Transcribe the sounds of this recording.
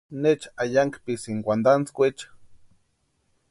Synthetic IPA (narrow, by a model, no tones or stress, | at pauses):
net͡ʃajaŋkpisiŋkʷand̪ant͡skʷet͡ʃ